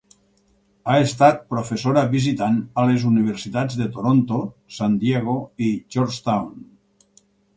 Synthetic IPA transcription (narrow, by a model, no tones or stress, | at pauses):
aest̪at̪̚pɾofesoɾaβizit̪analezuniβ̞eɾsit̪ad͡zðet̪oɾont̪osand̪jeɣ̞oid͡ʒoɾst̪awn